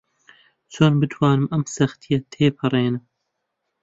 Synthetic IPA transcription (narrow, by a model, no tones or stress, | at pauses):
t͡ʃʰoːnbɨt̪ʰwɑːnɨmɐmsɐxt̪ʰijɐt̪ʰeːpʰɨrˤeːnɨm